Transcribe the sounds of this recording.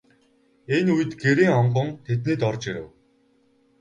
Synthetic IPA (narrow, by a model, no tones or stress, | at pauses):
enujɘ̆t̪ɡeɾiːŋɔɴɢə̆nt̪ʰet̪niːt̪ɔrt͡ɕiɾɘ̰̆w